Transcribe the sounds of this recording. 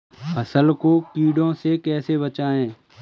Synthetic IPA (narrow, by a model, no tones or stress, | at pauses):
pəsəlkokiːɽõsekɛːsebət͡ʃaːẽː